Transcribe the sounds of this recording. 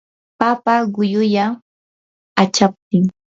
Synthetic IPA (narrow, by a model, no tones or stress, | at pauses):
papaɢʊjʊja | at͡ʃap̚t̪ɪŋ